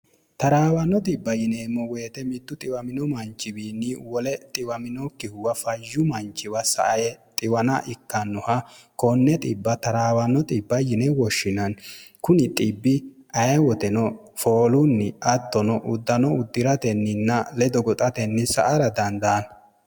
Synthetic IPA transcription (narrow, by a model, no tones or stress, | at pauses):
t̪ɐɾaːwɐnɔt̪ɪbːɐjɪneːmːɔwe̞ːt̪ɛmɪt̪ːʊt̪ʼɪwɐmɪnɔmɐnt͡ʃːɪbiːnːɪwɔlɛt̪ʼɪwɐmɪnɔkːɪhʊwɐfɐjːʊmɐnt͡ʃːɪwɐsɐ̰ʔɐjɛt̪ʼɪwɐnɐʔɪkːɐnːɔhɐkɔnːɛt̪ʼɪbːɐt̪ɐɾaːwɐnːɔt̪ʼɪbːɐjɪnɛwɔʃːɪnɐnkʊnɪt̪ʼɪbːɪ | ɐjɛwɔt̪ɛnɔ | fo̞ːlʊnːɪɐt̪ːɔnɔʔʊd̪ːɐnɔʊd̪ːɪɾɐt̪ɛnːɪnːɐlɛd̪ɔɡɔt̪ʼɐt̪ɛnːɪsɐ̰ʔɐɾɐd̪ɐnd̪aːnɐ